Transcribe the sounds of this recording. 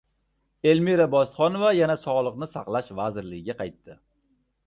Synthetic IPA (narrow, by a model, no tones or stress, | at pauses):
e̞lmiɾabɒst̪χɒnovajanasɒʁlˠɨqnɪsɑqlˠaʃvazɪɾlɪɡʲɪɡʲaqʰɑjt̪ʰːɪ